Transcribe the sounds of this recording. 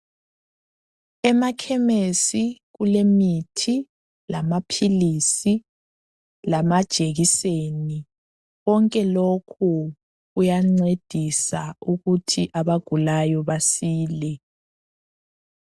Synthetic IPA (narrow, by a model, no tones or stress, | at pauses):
ɛmakʰɛmesiɣulemitʰi | lamapʰilisi | lamad̥ʒ̥ʱeɣiseni | ɣɔŋkʼɛlokʰu | ɣujaŋ͡ǀed̥ʱisauɣutʰiʔaβaɡ̥ʱulajɔβasiːlɛ